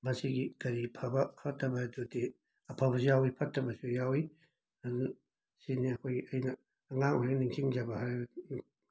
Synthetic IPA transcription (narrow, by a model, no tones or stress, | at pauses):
mɐsiɡikɐɾipʰɐbɐpʰɐtʰːɐbɐdudi | ɐpʰabɐsjawipʰɐtʰːɐbɐsujawi | ɐdu | siniɐkʰojɡiɐjnɐː | ŋaŋojnɐniŋkʰiŋd͡ʒɐbɐɦaɾ